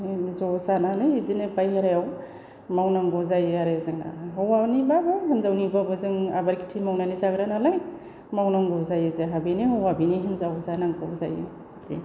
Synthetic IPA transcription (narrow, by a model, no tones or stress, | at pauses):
zɔsanalɯjdinɯbajɦeɾajaw | mawnaŋɡɔzajaɾezɯŋa̰ɦɔwanibabɯɦenzawnibabɯzɯŋabaɾkʰi̥tʰimawnanisaɡɾanalɯj | mawnaŋɡɔzajɯzeɦabeneɦɔwabiniɦinzawzanaŋɡɔza̰jɯ̰ | dḭ